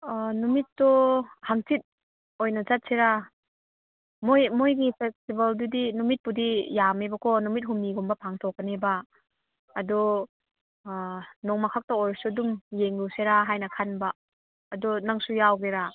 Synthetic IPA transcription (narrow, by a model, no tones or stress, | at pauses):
numitːɔhaŋtit̚ | ojnɐzat̚seɾa | mojmojɡipʰestibaldudinumit̚pudijamebakʰɔnumit̚ɦumiɡɔmbɐpʰaŋtʰɔk̚ːɐnebaː | dɔ | nɔŋmakʰak̚taojsudumjeŋluseɾaɦajnakʰanbaː | dɔnaŋsujawɡeɾa